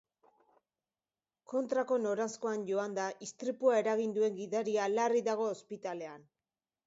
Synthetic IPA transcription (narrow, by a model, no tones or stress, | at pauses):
ko̞nt̪ɾako̞no̞ɾasko̞anɟo̞and̪aʔist̪ɾipuae̞ɾaɣind̪ue̞ŋɡiðaɾialariðaɣ̞o̞ːspit̪ale̞an